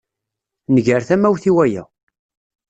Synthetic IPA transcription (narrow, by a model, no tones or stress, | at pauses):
nəʝəɾθæmːæwθiwæjæ̰